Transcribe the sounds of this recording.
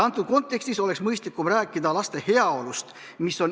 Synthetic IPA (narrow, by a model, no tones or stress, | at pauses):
ɑnt̪ːˑud̪̥̚ko̞nt̪ːˑe̞kst̪iso̞le̞ksmɤjst̪likːˑumræːkːˑid̪ɑlɑst̪e̞he̞ɑo̞lust̪ | miso̞n